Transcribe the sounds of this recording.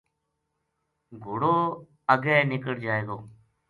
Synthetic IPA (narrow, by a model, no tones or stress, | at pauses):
ɡʱʊɽoː | əɡɛːnɪkəɽd͡ʒaːeːɡoː